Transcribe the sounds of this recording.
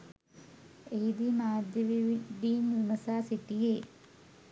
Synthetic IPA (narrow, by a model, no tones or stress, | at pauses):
ejd̪imaːd̪jɐʋiʋiɖiːnimɐsaːsiʈːijeː